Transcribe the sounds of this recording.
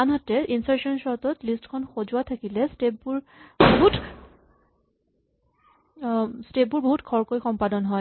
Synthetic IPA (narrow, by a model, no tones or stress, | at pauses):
anɦatɛʔinsaɹsɔnsɔɹtɔtlistkʰɔnxozʊwat̪ʰakilɛstep̚buɹ | boɦut | step̚buɹboɦutkʰɔɹkojxɔmpadɔnɦɔj